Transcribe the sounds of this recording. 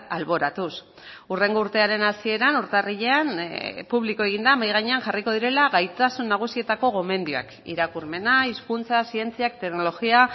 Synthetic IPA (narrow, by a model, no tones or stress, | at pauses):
alβo̞ɾat̪us | ure̞ŋɡo̞uɾt̪e̞aɾe̞nasie̞ɾanuɾt̪ariʎe̞anpuβlikoe̞ɣ̞ind̪amajɣ̞aɲe̞anʝariko̞ðiɾe̞laɣajt̪asunːaɣ̞usie̞t̪ako̞ɣo̞me̞nd̪ioa̰kḭɾakurme̞naiskunt͡sasie̞nt͡siak̚t̪e̞kno̞loɣia